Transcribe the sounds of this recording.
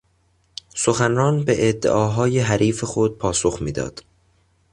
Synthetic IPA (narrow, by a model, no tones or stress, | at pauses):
so̞xænɾɒːnbeʔed̪ːḛʔɒːɦɒːjeɦæɾʔiːfexod̪̚pʰɒːso̞xmiːd̪ɒ̰ːd̪̥